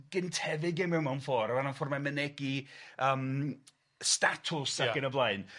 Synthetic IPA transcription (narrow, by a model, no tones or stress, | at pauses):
ɡ̥əntʰɛvɪɡɪmɪmanfɔːɾamananfɔrmamənɛɡiəːm | statʰʊsaɡənəblˠaɨn